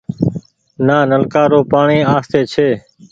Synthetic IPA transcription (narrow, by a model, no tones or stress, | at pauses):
naːnəlkaːɾoːpaːɳiːaːst̪eːt͡ʃʰeː